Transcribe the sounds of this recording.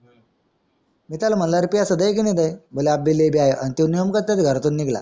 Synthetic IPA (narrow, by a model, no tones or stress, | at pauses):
mit̪almənlaɾpijasəd̪əjkinid̪əjboleab̚bilːebiajʔənt̪unijomkət̪ːət̪ɡʱəɾt̪uːnːiɡla̰